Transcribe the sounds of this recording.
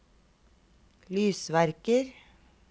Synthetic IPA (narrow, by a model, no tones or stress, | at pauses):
lyːsʋæɾkəɾ